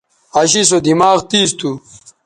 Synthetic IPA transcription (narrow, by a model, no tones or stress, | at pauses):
ɐɕis̬od̪imaːɣt̪iːst̪u